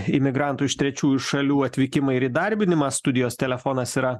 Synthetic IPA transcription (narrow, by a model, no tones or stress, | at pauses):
ɪmʲɪɡɾɑˑnt̪ʊɪʃt̪ʲɾʲɛt͡ʃʲuːjuʊʃɐlʲuːɐt̪ʲʋʲɪkʲɪmɐɪɪɾid̪ɐɾʲbʲɪnʲɪmɑst̪ʊd̪ʲɪjoːst̪ʲɛlʲɛfoːnɐsiːɾɐ